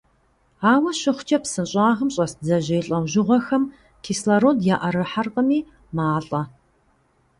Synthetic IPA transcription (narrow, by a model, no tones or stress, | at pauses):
aːwɐɕɪχʷʊt͡ʃʼɐpsɨnɕʼaːʁəmɕʼɐsd͡zɐʑɪjɬʼɐwʒɪʁʷɔxɐm | kʰiːslaɾoːdjaːʔɐɾɨħarqəmiː | maːɬʼɐ